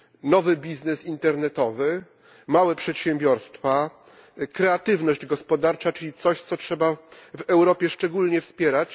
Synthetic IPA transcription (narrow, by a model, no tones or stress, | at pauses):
nɔvɘbʲiznɛsint̪ɛɾnɛt̪ɔvɘ | mawɛpʂɛt̪ɕɛmbʲjɔɾst̪fa | kɾɛat̪ɘvnɔʑd͡ʑɡɔspɔd̪aɾt͡ʂat͡ʂɘlʲit̪sɔɕt̪sɔtʂɛbavɛwɾɔpʲjɛʂt͡ʂɛɡulɲɛfspʲjɛɾat͡ɕ